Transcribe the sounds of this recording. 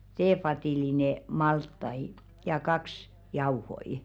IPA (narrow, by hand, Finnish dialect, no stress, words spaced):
teːfɑtiˑline mɑltːɑi jɑ kɑks jɑuhoi